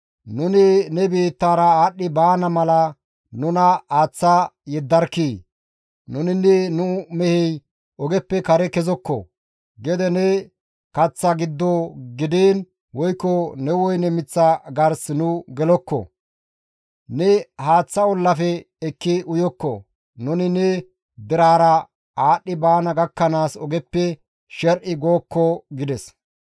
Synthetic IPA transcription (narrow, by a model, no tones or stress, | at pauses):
nʊnɪnɛbiːt̪ːaːɾɐaːɗːɪbaːnɐmɐlɐ | nʊnɐaːt͡sːajɛd̪ːɐɾkːiː | nʊnɪnːɛnʊmɛhɛj | ɔɡɛpːɛkɐɾɛkɛzɔkːɔ̰ | ɡɛd̪ɛnɛ | kɐt͡sːɐɡɪd̪ːɔɡɪd̪eːn | wɔjkːɔnɛwɔjnɛmɪt͡sːaɡɐɾsnʊɡɛlɔkːɔ̰ | nɛhaːt͡sːɐɔlːɐfɛː | kːɪʊjɔkːɔ̰ | nʊnɪnɛ | d̪ɪɾaːɾɐ | aːɗːɪbaːnɐɡɐkːɐnaːsɔɡɛpːɛ | ʃɛɾʔɪɡo̞ːkːɔɡɪd̪ɛs